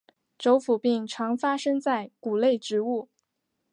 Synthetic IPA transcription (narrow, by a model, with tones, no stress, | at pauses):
ʈ͡ʂo˧˥ʊfu˨˩pi˥˩ŋʈ͡ʂʰɑ˧˥ŋfa˥ʂɤ˥ŋt͡sa˥˩ɪku˨˩le˥˩ɪʈ͡ʂɻ̩˧˥u˥˩